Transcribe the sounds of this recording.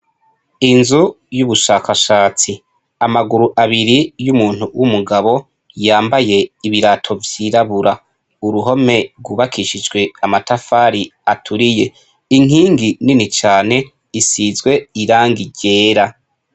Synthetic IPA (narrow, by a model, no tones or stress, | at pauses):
inzu | juβuʃaːkaʃaːt͡si | amaɡuɾuʔaβiɾijumuːn̥uwʔumuɡaβo̞ | jaːmbaje̞iβiɾatʰo̞vjiːɾaβuɾa | uɾuɦo̞me̞ɾɡuːβakʰiʃid͡ʒɡwe̞amatafaːɾiatʰuɾije̞ | iŋ̥iːŋɡininit͡ʃaːn̥e̞ | isizɡwe̞iɾaːŋɡiɟe̞ːɾa